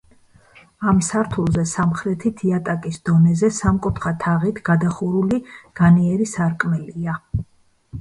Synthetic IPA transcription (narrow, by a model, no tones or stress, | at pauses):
amsaɾt̪ʰulˠzɛsamχɾɛt̪ʰit̪ʰiat̪ʼakʼisd̪̥ɔnɛzɛsamkʼupʰχat̪ʰaʁit̪ʰɡ̥ad̪aχuɾuliɡ̥aniɛɾisaɾkʼmɛlia